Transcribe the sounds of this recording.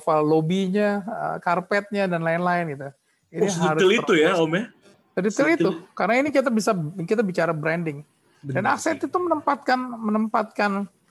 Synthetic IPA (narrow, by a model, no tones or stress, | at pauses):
fallobiɲaə̰karpɛt̪̚ɲadanlaɪnlaɪnɡit̪u | iniɦiaɾʊsiliujaomɛ | t̪dit̪ɪlit̪ukarnainikit̪abisakit̪̬abit͡ʃaɾabɾɛndɪŋ | danaksɛt̪it̪umənəmpat̪̚kanmənəmpat̪̚kan